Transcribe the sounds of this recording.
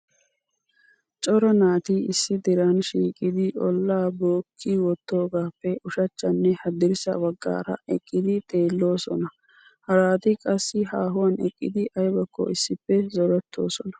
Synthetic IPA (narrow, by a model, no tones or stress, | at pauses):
t͡ʃʼɔɾɐnaːt̪iɪsːɪd̪ɪɾɐnʃiːkʼɪd̪ɪʔɔ̰lːaːboːkʰːiwɔt̪ːo̞ːɡaːpːɛʔʊʃɐt͡ʃːɐnːɛhɐd̪ɪɾɪsɐ̰wɐɡːa̰ːɾɐ̰ɛkʼːɪd̪ɪt̪ʼe̞ːlːo̞ːsɔ̰nɐ | hɐɾaːt̪ɪkʼɐsːɪɦaːɦʊwɐnɛkʼːɪd̪ɪʔɐjbɐkːɔ̰ɪsːɪpːɛzɔɾɛt̪ʰːo̞̰ːsɔnɐ̥